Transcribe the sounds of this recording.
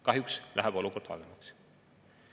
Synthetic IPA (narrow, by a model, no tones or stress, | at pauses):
kɑɦjukslæ̰ɦɛb̥o̞luko̞rd̪̥ɑ̰lemɑks